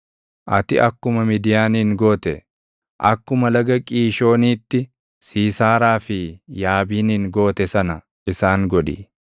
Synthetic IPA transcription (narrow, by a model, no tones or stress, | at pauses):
ʔɐt̪ɪʔɐkːʊmɐmid̪ɪjaːnŋɡo̞ːt̪ɛ | ʔɐ̰kːʊmɐlɐɡɐkʼiːʃo̞ːniːt̪ːɪ | siːsaːɾaːfɪjaːbiːnɪŋɡo̞ːt̪ɛsɐnɐ | ʔɪsaːŋɡɔᶑɪ̰